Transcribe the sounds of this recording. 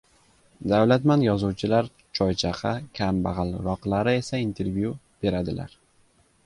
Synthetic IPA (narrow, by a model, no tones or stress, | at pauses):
d̪awlat̪manjɒzuwt͡ʃʰɪlaɾ | t͡ʃʰɒjt͡ʃʰaqʰɑkʲʰambaʁɨlˠɾɒqlˠaɾɪe̞saint̪ʰe̞ɾvju | b̥e̞ɾad̪ɪla̰ɾ